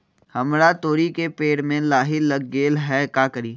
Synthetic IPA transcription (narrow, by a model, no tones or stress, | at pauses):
hɐmɾat̪oːɾikepeːɽmẽlaːɦɪlɐɡːeːlɦɛkaːkəɾiː